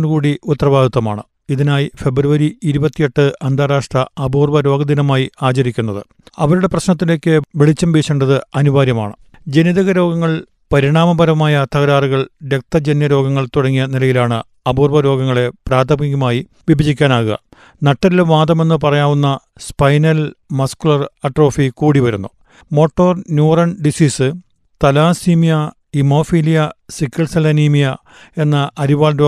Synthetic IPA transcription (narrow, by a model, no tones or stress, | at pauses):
nkuːɽiʔut̪ːɐrɐʋaːd̪ɐt̪ːɐmaːɳɨ | iðinaːjife̞bruʋɐɾiiɾubɐt̪ːijeʈːɨʔɐnd̪ʱaːɾaːʂʈrɐɐbuːrʋɐɾo̞ːɡɐd̪inɐmaːjiaːt͡ɕɐɾikʲːunːɐðɨ̰ | ɐʋɐɾuɽe̞prɐɕnɐt̪̬ːile̞ːkʲːɨʋeɭit͡ɕːɐmbeːɕeɳɖɐðɨɐnuʋaːɾjɐma̰ːɳɨ | d͡ʑeniðɐɣɐɾo̞ːɡɐŋːɐɭ | pɐɾiɳaːmɐbɐɾɐmaːjɐt̪ɐɣɐɾaːruɣɐɭɾe̞k̚t̪ːɐd͡ʑenjɐɾo̞ːɡɐŋːɐɭt̪uɽɐŋːijɐnilɐjilaːɳɨ | ɐbuːrʋɐɾo̞ːɡɐŋːɐɭe̞praːd̪ʱɐmiɣɐmaːji | ʋibʱɐd͡ʑikʲːaːnaːɣuɣɐ̰ | nɐʈːɐɾilʋaːd̪ɐme̞nːɨp̬ɐrɐjaːʋunːɐ | spɐjnɐlmɐskuɭɐrɐʈro̞ːfikuːɽiʋɐɾunːu | mo̞ːʈːo̞ːrnjuːrɐɳɖisiːsɨ | t̪ɐlaːsiːmijɐ | imo̞ːfiːlijɐsikːɐɭsɐlɐniːmijɐ | e̞nːɐʔɐɾiʋaːɭɾoː